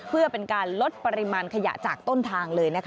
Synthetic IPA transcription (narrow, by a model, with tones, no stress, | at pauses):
pʰɯ˥˩ɐpe˧nkaː˧nlo˦˥t̪̚pa˧ɾi˧˥maː˧nkʰa˧ja̰˨˩t͡ɕaː˨˩k̚t̪o˥˩nt̪ʰaː˧ŋlɤː˧jna˦˥kʰ